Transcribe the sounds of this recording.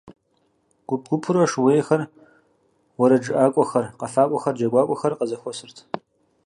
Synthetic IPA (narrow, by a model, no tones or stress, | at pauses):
ɡ̥ʷʊp̚ɡʷʊpʰʊɾɐʂweːxɐr | wɔɾɐd͡ʒɨʔaːkʷʼɔxɐrqɐfaːkʷʼɔxɐrd͡ʒɐɡʷaːkʷʼɔxɐrqɐzɐxʷɔsɨrtʰ